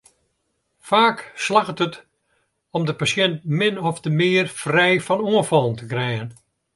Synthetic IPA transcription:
faːkslaxətət | ɔmdəpasjɛnt̚mɪnɔfdəmɪərfrɛjfɔnuənfɔlˠən̩təkrɛjən

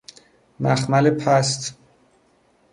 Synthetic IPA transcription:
mæxmælepʰæst̪

